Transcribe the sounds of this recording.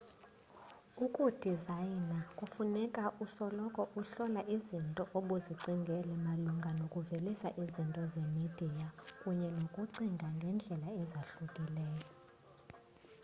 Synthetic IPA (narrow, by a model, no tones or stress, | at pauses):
ukʼud̥ʱizajnakʼufunɛkʼaʔusɔlɔkʼɔʔuɬɔlaʔizintʼɔʔoɓuziǀiŋɡʱɛlɛmaluŋɡʱanokʼuvelisa̰ʔizintʼɔzemid̥ʱijakʼuɲɛnokʼuǀiŋɡʱaŋɡʱɛnd͡ɮʱɛlaɛzaɬukʼilɛːjɔ